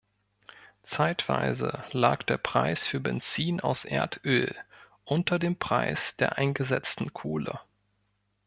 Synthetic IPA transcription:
t͡saɪtv̥a̰ɪzəlaːkd̥eːɐpʁ̥aɪsfyːɐbɛnt͡siːnaʊsʔeːɐtʰʔøːl | ʔʊntɐdeːmpʁ̥aɪsd̥eːɐʔaɪnɡəzɛt͡stn̩kʰoːlə̰

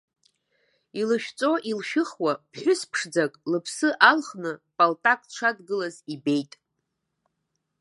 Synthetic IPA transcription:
ilɨʃᶣt͡sʼo̞ʔilʃᶣɨχwapʰħʷᶣʊspʰʂd͡zakʼlɨpʰsɨʔalχnɨpʼaltʼakʼʈ͡ʂʷʰadɡɨlazibe̞jtʼ

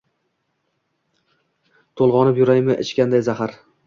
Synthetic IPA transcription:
t̪ʰolˠʁɒnɪpjʊɾajmɪʔɪt͡ʃkʲand̪ajzahaɾ

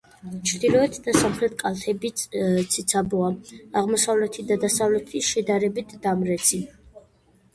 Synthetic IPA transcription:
t͡ʃʰɾd̪ilˠɔɛt̪ʰd̪asamχɾɛt̪̚ʰkʼalˠt̪ʰɛbit̪sʰit̪sʰabɔaaʁmɔsavlɛt̪ʰid̪ad̪asavlɛt̪ʰiʃɛd̪aɾɛbit̪ʰd̪amɾɛt̪sʰi

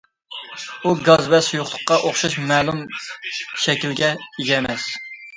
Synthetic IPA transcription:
uɡɑzbɛsujʊχlˠʊqːɑʔoχʃɑʃmɛːlˠum | ʃɛkʲilɡʲɛeɡʲɛmɛs

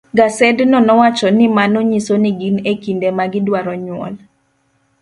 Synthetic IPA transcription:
ɡasɛdnɔnɔwat͡ʃɔnɪmanɔɲisonɪɡinekindemaɡɪdwaɾɔɲwɔ̰l

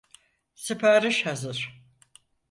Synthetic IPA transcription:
sɨpʰaɾɯʃhazɯɾ̥

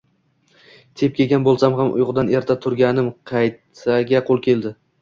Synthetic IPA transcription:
t̪ʰe̞p̚kʲʰe̞ɡʲanbolˠsamɦamʔʊ̰jʁd̪ane̞ɾt̪ʰat̪ʰʊɾɡʲanɪmqʰɑjt̪aɡʲaqʰolˠkʲe̞ld̪ɪ

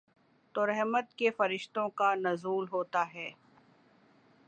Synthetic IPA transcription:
t̪oːɾɛɦmət̪̚kefɐɾɪʃt̪õkanɐzuːlɦoːt̪aɦɛː

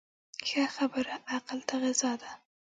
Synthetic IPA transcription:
xaxabəɾaʔaqalt̪aɣɪzɑd̪a

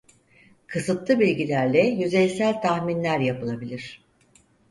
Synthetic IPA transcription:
kʰɯsɯt̪lˠɯbilʲɟilʲæɾlʲɛjyzɛjʲsælʲt̪ʰaxminlʲæɾjapɯlˠabilʲiɾ̝̥

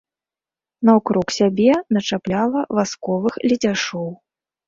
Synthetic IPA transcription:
nɐwkɾuksʲabʲɛnɐt͡ʂaplʲalˠɐvaskɔvɨxlʲɛd͡zʲaʂɔw

